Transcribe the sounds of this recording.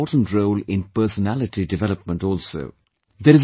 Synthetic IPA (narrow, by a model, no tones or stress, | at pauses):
ɔːʈə̃n̩ʈɾoʊlɪ̃npəːsənælɪʈiɖɪʋɛləp̚mə̃ɳʈɔːlso̰ː | d̪əɾɪz